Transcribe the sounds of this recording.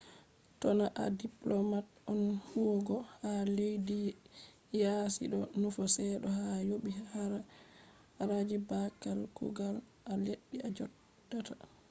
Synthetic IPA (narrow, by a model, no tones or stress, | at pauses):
tɔnaʔa̰diplɔmatʔɔnhuoɡɔhalejdi | jasḭɗɔnufɔsɛɗɔhajoɓihaɾa | ɾad͡ʒibakalkṵɡalʔaleɗːiad͡ʒɔd | ata